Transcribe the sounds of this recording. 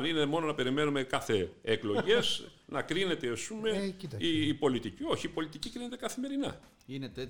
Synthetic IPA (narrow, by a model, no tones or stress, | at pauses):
ninemo̞nonɐpe̞ɾime̞nume̞kɐθe̞eklo̞ʝe̞snɐkɾine̞t̪e̞ɐspume̞iːpo̞lit̪icio̞çiːpo̞lit̪icikɾine̞t̪e̞kɐθime̞ɾinɐ̰ | inet̪e